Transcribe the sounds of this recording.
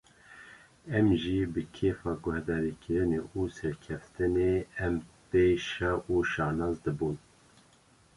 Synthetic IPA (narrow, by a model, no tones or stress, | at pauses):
ɛmʒibɨkʰeːfɑːɡʊhd̪ɑːɾikʰɨɾɨneusɛɾkʰɛft̪ɨneːɛmpeːʃɑʔuʃɑːnɑːzd̪ɨbuːn